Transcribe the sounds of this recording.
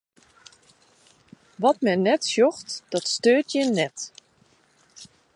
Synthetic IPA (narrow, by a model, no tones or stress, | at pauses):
ʋɔtmɛnɛtsjɔxtd̥ɔtstøːtjənɛt